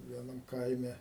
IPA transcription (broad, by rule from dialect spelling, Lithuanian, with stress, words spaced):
ʋʲiɛˈnɐm ˈkɐɪmʲɛ